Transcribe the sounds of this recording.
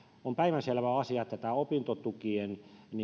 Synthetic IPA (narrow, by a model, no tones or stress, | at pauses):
ompæiʋænselʋæɑsiɑt̪ːæt̪æopint̪ot̪ukienni